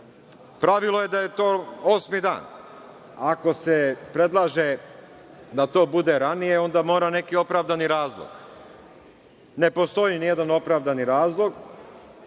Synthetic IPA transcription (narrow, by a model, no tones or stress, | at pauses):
pɾaʋilˠo̞je̞d̪aje̞t̪o̞ːosmid̪a̰ːn | ako̞sepɾe̞d̪lˠaːʒe | d̪at̪o̞ːbud̪e̞ɾanije̞o̞nd̪amo̞ːɾane̞kio̞pɾaʋd̪aniɾaːzlˠo̰ɡ̥ | ne̞po̞st̪o̞jinijed̪ano̞pɾaːʋd̪aniɾaːzlˠo̞ɡ